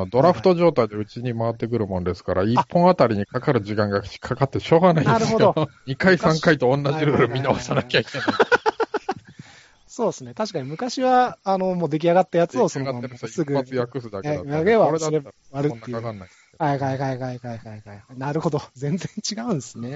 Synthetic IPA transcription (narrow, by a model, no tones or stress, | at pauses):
d̪o̞ɾaɸɯ̟t̪o̞ʑo̞ːt̪aid̪eɯ̟t͡ɕiɲ̟imaβat̪ːe̞k̬ɯ̟ɾɯ̟mõ̞nd̪e̞sɨ̥kaɾaipːõ̞ɰ̃at̪aɾʲiɲ̟ikakaɾɯ̟ʑikãŋɡakt͡ɕi̥kʰakat̪ːeɕo̞ːɡanainaeɾɯhod̪oɲikaisãŋkait̪o̞õnːaʑiɾɯɾɯ̟mʲinaosanakʲaikena | so̞ːesɨne̞t̪aɕi̥kaɲ̟imɯ̟kaɕiβaːno̞moːd̪e̞k̬ʲiaɡat̪ːajat͡sɨosonoaeɾsɨɡɯ̟at͡sɨjakɯsɨd̪akeaaɡeβaɾed̪aɾea | βaɾɯt̪ːeakanːai̥ehaihaiɦaiɦaihaihaihaihainaɾɯ̟ho̞d̪o̞zẽ̞nd͡zẽ̞ɲ̟t͡ɕiɡaɯ̟̃nd̪esɨne̞